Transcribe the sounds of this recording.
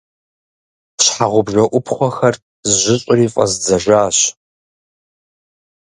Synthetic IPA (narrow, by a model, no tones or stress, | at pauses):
ɕħaʁʷʊbʒɐʔʷʊpʰχʷɔxɐr | zɨʒʷɪɕʼɪriːfʼɐ̰zd͡zɐʒʷaːɕ